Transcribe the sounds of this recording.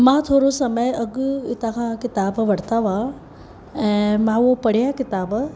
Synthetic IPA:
mãːt̪ʰoːɾosɐməjɐɡt̪ãːkʰãkɪt̪aːbʋɐɽ̤t̪aʋa | ɛ̃ːmãːopɐɽ̤jãkɪt̪aːb

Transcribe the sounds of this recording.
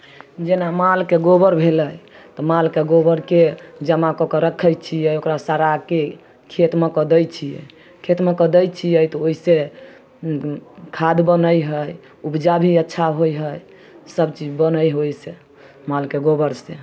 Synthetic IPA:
d͡ʒenamalkeɡobəɾbʱeləj | t̪ɔmalkeɡobəɾked͡ʒəmakɔkəɾəkʰːəjt͡ʃʰijɛokɾasaɾake | kʰet̪mekəd̪əjt͡ʃʰijɛ̰ | kʰet̪mekəd̪əjt͡ʃʰijɛjt̪ɔoise | kʰad̪bənəjɦəj | upd͡ʒabʱiətːʃʰaɦojɦəj | səbt͡ʃid͡ʒbənəjɦojse | malkeɡobəɾse

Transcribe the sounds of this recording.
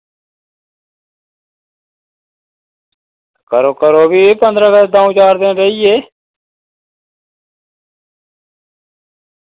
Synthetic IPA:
kəɾoːkəɾoːbʱiːpənd̪ɾəːɡəd̪aːũːt͡ʃaːɾd̪ẽːɾəiːeː

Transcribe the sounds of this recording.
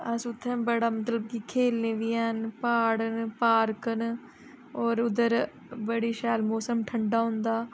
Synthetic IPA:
əsʊt̪ʰːɛ̃ːbəɽaːmət̪ləb̚kikʰeːlnẽːʋiːɛːnpaːɽənpaːɾkən | oːɾʊd̪əɾ | bəɽiːʃaːlmoːsəmʈʰəɳɖaːɦʊ̃nd̪aː

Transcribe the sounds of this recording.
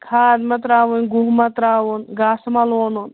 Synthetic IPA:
kʰaːdmɐt̪ɾaːʋunɡuɦmɐt̪ɾaːʋunɡaːsmɐloːnun

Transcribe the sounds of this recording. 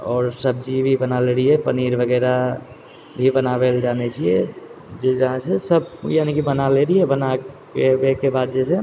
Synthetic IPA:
ɔːɾsəb̚d͡ʒibʱibənaleɾiepəniːɾʋəɡɛːɾa | bʱibənaːʋeld͡ʒaːnet͡ʃʰie | d͡ʒd͡ʒəɦãsesəb̚jaːnikibənaleɾiebənakebekːebaːd̪̚d͡ʒɛse

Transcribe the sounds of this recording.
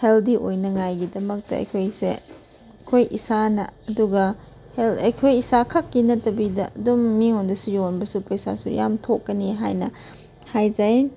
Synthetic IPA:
heldiʔojnɐŋajɡidɐmɐk̚tɐ̰ɐ̰jkʰojsḛ | kʰojʔisanɐːduɡɐ | helɐjkʰojisakʰɐkːinɐtɐbidɐ̰ɐdumːiŋondɐsujonbɐsupɐjsa̰sṵja̰mtʰokːɐniɦajnɐ | hajd͡ʒaj

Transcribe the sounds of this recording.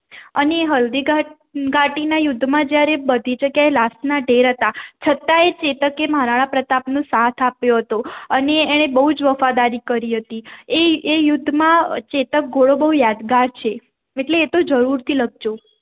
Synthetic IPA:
əneːɦəld̪iɡa | ɡaʈinajʊd̪ʱːmãd͡ʒjaɾebəd̪ʱit͡ʃəkjaelasnaɖʱeɾɦət̪at͡ʃʰət̪aet͡ʃet̪əkemɦaɾaɭapɾət̪apnũsat̪ʰapjoɦət̪oəneːɽ̃ebəɦud͡ʒʋəfad̪aɾikəɾiɦət̪ieejʊd̪ʱːmãt͡ʃet̪ək̚ɡʱoɭobəɦujad̪ɡaɾt͡ʃʰe | eʈleːt̪od͡ʒəɾuɾt̪ʰiləɡʱd͡ʒo

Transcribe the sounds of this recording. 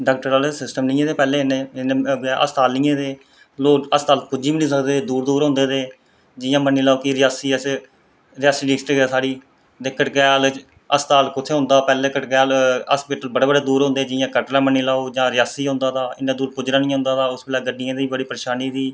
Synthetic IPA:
ɖaːk̚ʈəɾaːlesɪsʈəmnĩːẽːt̪eːpɛːleːɪnẽːɪnebːʔə̰st̪aːlĩːẽːd̪eː | loːəst̪aːlkʊd͡ʒiːbnĩːsəkd̪eːd̪uːɾd̪uːɾɦõːnd̪eːd̪eː | d͡ʒɪjãːmənːiːlaːoːkiɾɪjaːsiːəs | ɾɪjaːsiːɖiːksʈɾiːɡaːsaːɽiː | d̪eːkəʈɡɛːl | əst̪aːlkʊt̪ʰeːɦʊ̃ːnd̪aːpɛːleːkəʈɡɛːləspiːʈəlbəɽeːbəɽeːd̪uːɾɦõːnd̪eːd͡ʒɪjãːkəʈlaːməniːlaːoːd͡ʒãːɾɪjaːsiːɦõːnd̪aːt̪aːɪ̰nãːd̪uːɾkʊd͡ʒɾaːnĩːɦʊ̃ːnd̪aːt̪aːʊsbɪlaːɡəɖɪjãːd̪iːiːbəɽiːpəɾeːʃaːniːd̪iː

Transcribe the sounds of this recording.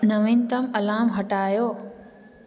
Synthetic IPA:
nɐʋĩnt̪ɐmɐlaːmɦɐʈaːjoː

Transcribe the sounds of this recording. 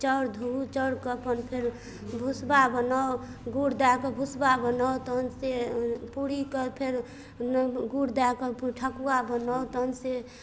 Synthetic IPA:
t͡ʃəɽd̪ʱuut͡ʃəɽkəpənpʰeɾ | bʱusbabənao | ɡuɽd̪akəbʱusbabənawt̪ənsepuɽikəpʰeɾ | nɡuɽd̪akəʈʰəkuabənawt̪ɔnse

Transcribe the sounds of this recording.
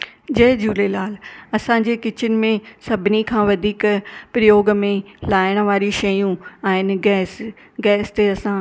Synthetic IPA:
d͡ʑɐɦɪd͡ʑuːlelaːl̤ɐsãːd͡ʑeːkɪt͡ɕʊnɪ̆mẽsɐbʱɪnikʰãːʋɐd̪ʱiːkpɾɐjoːɡmẽlaːɪɽ̃̆ʋaːɾiʃɐjũaːɦɪnɪ̆ɡɛːs | ɡɛːst̪eɐsã

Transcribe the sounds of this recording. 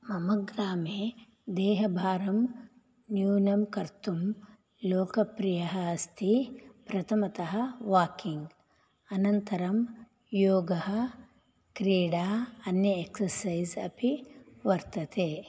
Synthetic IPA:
mɐmɐɡɾaːmeː | d̪ɛːɦɐbʱaːɾɐm | njuːnɐmkɐɾt̪um | loːkɐpɾijɐɦɐːst̪ʰipɾɐt̪ʰɐmɐt̪ɐɦɐʋaːkiŋɡ | ɐnɐnt̪ɐɾɐm | joːɡɐɦɐ̆ | kɾiːɽaːɐnjɐeksɐɾsɐjzɐpiʋɐɾt̪ɐt̪eː

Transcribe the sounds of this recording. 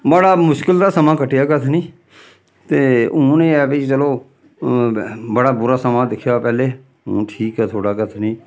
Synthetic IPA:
məɽaːmʊʃkəld̪aːsəmãːkəʈːɪjaːkət̪ʰniː | t̪eːʊ̃ːnẽːɛbet͡ʃəloː | bəɽaːbʊɾaːsəmãːd̪ɪkʰːjaːpɛːleː | õ̰ːʈʰiːkɦɛːt̪ʰoːɽaːkət̪ʰnĩː

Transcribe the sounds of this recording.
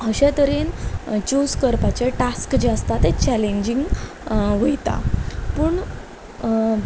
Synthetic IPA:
əɕet̪əɾent͡ɕuskəɾpat͡ɕeʈaskd͡ʑeəst̪at̪et͡ɕæleɲd͡ʑiŋɡ | ʋəjt̪a̰puːɳ

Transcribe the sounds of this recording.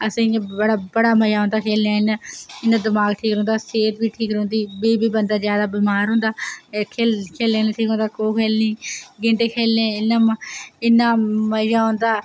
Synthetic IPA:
əsĩːəɽaːbəɽaːməjaːɦõːnd̪aːkʰeːlãːɪnaɪnãːd̪ɪmaːɡʈʰiːkɾõːnd̪aːseːt̪biːʈʰiːkɾõːnd̪iːbiːbiːbənd̪aːzjaːd̪aːbiːmaːɾɦõːnd̪aːkʰeːkʰeːlẽːnʈʰiːkɦõnd̪aːkoːkʰeːlĩːɡɪɳʈeːkʰeːlːẽːɪnːaːɪnːaːməjaːɦõːnd̪aː

